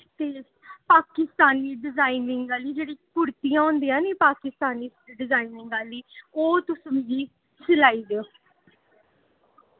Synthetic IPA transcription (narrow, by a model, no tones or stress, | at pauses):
t̪eː | paːkɪst̪aːniːɖɪzaːiːnɪŋɡaːliːd͡ʒeːɽiːkʊɾt̪ijãːõːnd̪iːãːniːpaːkɪst̪aːniːɖɪzaːiːnɪ̃ŋɡaːliːoːt̪ʊsmeɡiː | səlaːiːd̪eoː